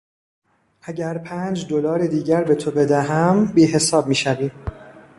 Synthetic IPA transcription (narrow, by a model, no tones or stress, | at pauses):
ʔæɟæɾpʰæːnd͡ʒd̪o̞lɒːɾed̪iːɟæɾbe̞t̪ʰobe̞d̪æɦæmbiːɦe̞sɒːb̚miːʃæviːm